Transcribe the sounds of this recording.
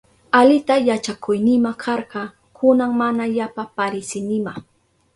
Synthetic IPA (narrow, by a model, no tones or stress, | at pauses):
alɪt̪ajat͡ʃakʊjnɪmakʰɑɾɢɑ | kʰʊnaŋmanajapapaɾɪsɪnɪma